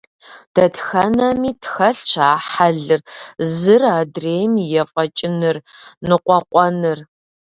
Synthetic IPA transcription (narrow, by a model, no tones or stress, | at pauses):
d̥ɐtxɐnɐmiːtʰxɐɬt͡ʃʰaːħaɮɨrzɨraːdreːjmjɛfʼɐt͡ʃʼɪnɨrnɨqʷɔqʷʼɔnɨr